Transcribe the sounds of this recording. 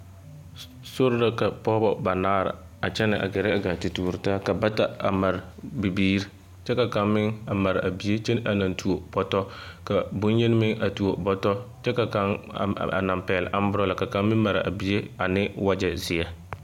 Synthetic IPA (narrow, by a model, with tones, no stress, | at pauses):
sʊ˦ɾla˦ka˨pɔː˦bɔ˦ba˨naː˦ɾɪ̰˨ | a˨t͡ʃɛ˦nɪ˨ʔa̰˨ɡɛ˨ɾɪ˦a˨ɡa˨ti˨tuː˨ɾɪ˨taː˦ka˨ba˦ta˨a˨ma˨ɾbi˨biː˦ɾi˦ | t͡ʃɛ˦ka˨ka˦ŋmɪ˦ŋa˨ma˨ɾa˨bi˨e˦t͡ʃɛ˦n˦ʔa˨na˨ntʰu˨o˨b̥ɔ˦tɔ˦ka˨bʊ˦n˦je˦n˦mɪ˦ŋʔa˨tu˨o˨bɔ˦tɔ˦t͡ʃɛ˦ka˨ka˦ŋ̰a̰˨na˨mpɛː˨lɪ̰˨ʔa˦m˦bʊ˦ɾɔ˦la˨ka˨ka˦mmɪ˦ma˨ɾɪ˨ʔa̰˨bi˨˦e˦a˨nɪ˦wa˦d͡ʒɛ˨zɪ˨a˦